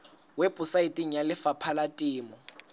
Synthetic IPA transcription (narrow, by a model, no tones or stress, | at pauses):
wepʼusaitʼiŋ̩jalɪfapʰalatʼiːmɔ